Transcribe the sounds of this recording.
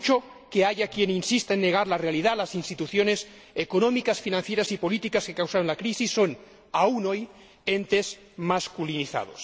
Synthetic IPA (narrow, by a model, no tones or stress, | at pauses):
t͡ʃo | keaʝakjeninsist̪aenːe̞ɣ̞aɾlarealiðalasinst̪it̪uθjo̞nes | ekonõmikasfinãn̟θje̞ɾasipo̞lit̪ikaske̞kawsaɾonlakɾisisːo̞n | auno̞j | e̞nt̪e̞s | maskuliniθa̰ðos